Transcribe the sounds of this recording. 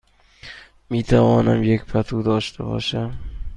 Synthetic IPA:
mit̪ʰavɒnamjekʲpʰat̪ʰud̪aɒʃt̪ʰɪbɒ̰ʃa

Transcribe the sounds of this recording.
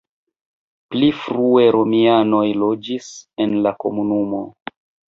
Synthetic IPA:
plifɾue̞ɾo̞miano̞jlo̞d͡ʒisenlakomunumo̞̰

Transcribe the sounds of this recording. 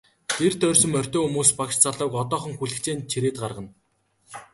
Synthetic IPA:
t̪ʰert̪ʰœːrʲsɵ̆mœr̥ʲt̪ɔːxumuːspakʃt͡sʰaɮʊːkɔt̪ɔːχɞ̆ŋxuɮɘ̆kt͡ɕeːnt͡ɕʰiɾeːt̪ɢarʁə̆n

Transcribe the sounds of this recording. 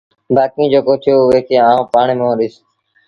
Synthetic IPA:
baːkĩːd͡ʒoːkoːt̪ʰjoːʋeːkeːaːũːpaːɳeːmẽːɗɪs

